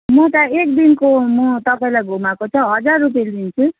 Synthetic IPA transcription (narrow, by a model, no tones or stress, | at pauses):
mʌt̪aek̚d̪inkomʌt̪ʌpaĩlajɡʱumakot͡sʰʌɦʌd͡zarrup̬ieldint͡sʰu